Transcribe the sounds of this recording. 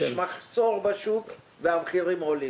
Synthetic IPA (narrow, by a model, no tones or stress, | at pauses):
ʃmaχso̞ʁbaʃuk | veavχiʁimoli